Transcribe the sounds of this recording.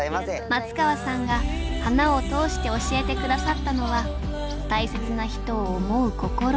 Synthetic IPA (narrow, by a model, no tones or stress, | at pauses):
mat͡sɨ̥kaβasãŋɡahanao̞t̪o̞ːɕi̥t̪e̞o̞ɕie̞t̪e̞kɯ̟d̪asat̪ːano̞βa | t̪aise̞t͡sɨnaçi̥t̪o̞ːmo̞ɯ̟ko̞ko̞ɾo